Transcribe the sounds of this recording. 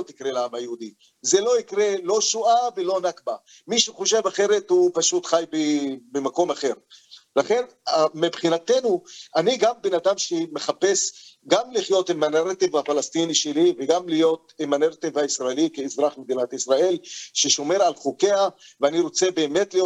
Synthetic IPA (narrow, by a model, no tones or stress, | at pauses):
ot̪ikʁelaamajeud̪i | ze̞lo̞ikʁe̞lo̞ʃuavelo̞nakba | miʃuχo̞ʃe̞vaχe̞ɾet̪hupaʃut̪χajbebemako̞maχe̞ʁlaχe̞namebχinat̪e̞nuʔaniɡambenad̪amʃemeχape̞sɡamliχjo̞t̪emaneʁt̪evafalast̪iniʃeliveɡamlijo̞t̪̚emaneʁt̪evaisʁaelikeːzʁaχmed̪inat̪isʁae̞lʃeʃo̞me̞ɾalχuke̞aveaniɾo̞t͡sebe̞ːme̞t̪lijo